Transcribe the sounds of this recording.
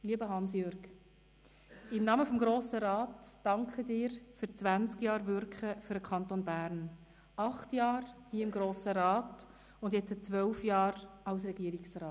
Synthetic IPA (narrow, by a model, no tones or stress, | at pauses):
liːəbəɦɑnsjøɾɡ | ɪmnɑməfɔmɡɾoːsəɾɑːtd̥ɑŋkχədɪːɾfyɾt͡sʋænt͡skjɑːɾvʏɾkχəfyɾəkʰɑntonbæːɾn | ʔɑχtjɑːɾhiəɪmɡɾoːsəɾɑːt | ʊndjɛt͡sət͡sʋœlfjɑːɾɑʊs̬rɛɡiəɾɪksrɑːt